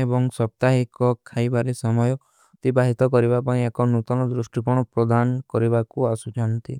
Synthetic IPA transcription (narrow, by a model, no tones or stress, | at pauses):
ebɔŋsɔp̚t̪aɦikɔkʰajbaɾesɔmɔjɔ | t̪ibaɦit̪ɔkɔɾibapãĩekɔnut̪ɔnɔd̪ɾusʈipɔɽ̃ɔpɾɔd̪ankɔɾibakuasud͡ʒant̪i